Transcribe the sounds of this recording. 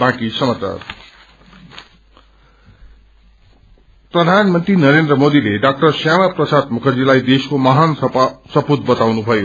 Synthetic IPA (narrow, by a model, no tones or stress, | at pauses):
bãkisʌmat͡sa̰r | prʌd̪ʱanmʌnt̪rinʌɾend̪rʌmod̪ileɖak̚ʈʌrsjamaprʌsad̪̚mukʰʌd͡zilajd̪eskomaɦansʌput̪̚bʌt̪awnubʱʌjo